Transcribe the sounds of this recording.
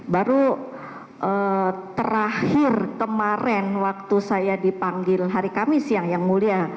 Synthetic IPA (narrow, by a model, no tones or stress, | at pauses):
baɾu | ʔət̪əɾahɪrkəmaɾɛnwak̚t̪usajadipaŋɡɪlɦaɾikamɪsjaŋjaŋmulia